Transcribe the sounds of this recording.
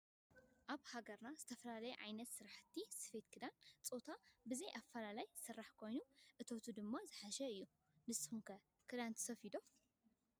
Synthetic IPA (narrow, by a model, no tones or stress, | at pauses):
ʔaβhaɡɐɾnazɨt̪ʰɐfɐlalɐjuʕa̰jnɐt̪sɨɾaħɨt̪ʰːisɨ̥fe̞t̪kʰɨd̪ant͡sʼot̪ʰabɨzɐjʔafɐlalajsɨrːaħkʰo̞jnuʔɨt̪ʰo̞t̪ʰud̪ɨmːazɨħaʃɐɨjːu | nɨshumkɐ | kʰɨd̪ant̪ʰɐ̥sɐfid̪o̞